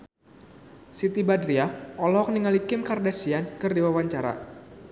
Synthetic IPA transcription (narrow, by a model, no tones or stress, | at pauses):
sit̪ibadɾiaɔlɔɦɔk̚niŋalikɪmkardasiankɨrdiwawaɲt͡ʃaɾa̰